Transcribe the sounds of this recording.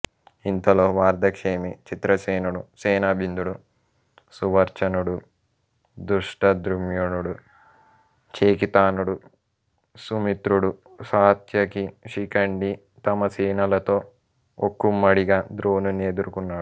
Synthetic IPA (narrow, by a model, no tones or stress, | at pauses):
int̪ɐloːʋaːɾd̪ʱɐkʂeːmit͡ʃit̪ɾɐseːnuɽuseːnabʱind̪uɽu | suʋɐɾt͡ʃɐnuɽu | d̪uʂʈɐd̪ɾumjonuɽu | t͡ʃeːkit̪aːnuɽu | sumit̪ɾuɽu | saːt̪jɐkiʂikɐɳɖi | t̪ɐmɐsiːnɐlɐt̪o̞ː | okːumːɐɽiɡaːd̪ɾoːnuneːd̪uɾukunːaːɽu